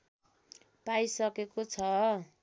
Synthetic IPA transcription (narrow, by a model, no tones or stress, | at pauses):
pajsʌkekot͡sʰʌ